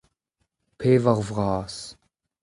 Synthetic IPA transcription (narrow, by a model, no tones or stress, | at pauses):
pʰeːvɐʁvʁɑːs